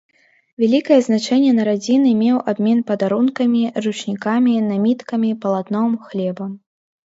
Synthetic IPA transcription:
vʲalʲikɐjɛznat͡ʂɛnʲːɛnɐɾad͡zʲinɨmʲɛwʔabmʲɛn̪pɐd̪aɾunkɐmʲirut͡ʂnʲikamʲinamʲit̪kɐmʲipɐlˠat̪nɔmxlʲɛbɐm

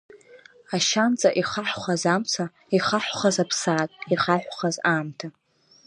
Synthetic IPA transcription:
aʃant͡sʼaʔiχaħχazamt͡sʰa | iχaħʷχazapʰsaːtʼiχaħᶣʷχazaːmtʰa

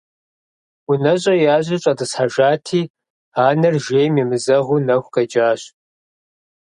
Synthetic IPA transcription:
unɐɕʼɐjaːʑɐɕʼɐdɨsħaʒaːtʰiː | aːnɐrʒeːjmiːmɨzɐʁunɐxʷqɐd͡ʒaːɕ

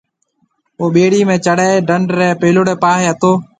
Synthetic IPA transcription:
oːɓeːɽiːmẽːt͡ʃəɽeːɖəɳɖɾeːpeːloɽeːpaːɦeːət̪oː

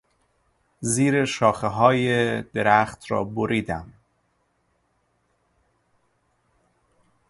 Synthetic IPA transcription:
ziːɾeʃɒːxeɦɒːjed̪eɾæːxt̪ʰɾɒ̰ːboɾiːd̪æm

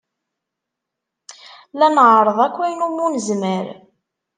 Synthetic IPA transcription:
lænʕɾˤəðˤækʷːæjnumːunəzməɾ

